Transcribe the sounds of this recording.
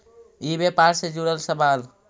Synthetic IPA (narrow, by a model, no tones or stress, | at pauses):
ibepaɾsẽd͡ʒuɾəlsəbal